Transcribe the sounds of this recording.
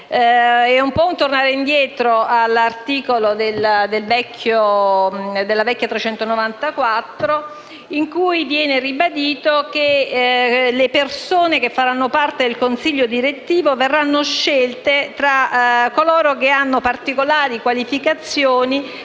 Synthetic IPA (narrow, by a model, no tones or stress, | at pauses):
ɛumpɔunt̪ornaːɾeind̪jɛːt̪ɾoalːart̪iːkolod̪eld̪elvɛkʰːjo | d̪elːavɛkːjat̪ɾet͡ʃɛnt̪onovant̪akwat̪ːɾo | iŋkujvjɛːneribad̪iːt̪ok̟e | lepersoːnek̟efːaɾanːopart̪ed̪elkonsiʎːod̪iɾet̪ːiːvoverːanːoʃːelt̪et̪ɾakːoloːɾokeanːopart̪ikolaːɾikwalifikat̪sːjoːni